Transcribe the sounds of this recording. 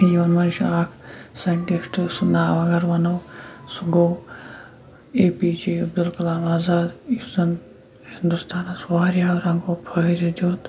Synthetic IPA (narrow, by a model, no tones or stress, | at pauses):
jɐnmɐnʃaːkʰsɐɳʈisʈɨsunaːʋɐɡɐɾʋɐnɐwsuɡow | eːpid͡ʒiɐb̚d̪ulkɐlaːmaːzaːd̪isɐn | hind̪ust̪ʰaːnɐsʋaːɾjaːwɾɐŋɡoːpʰɐɾid͡ʒoːt̪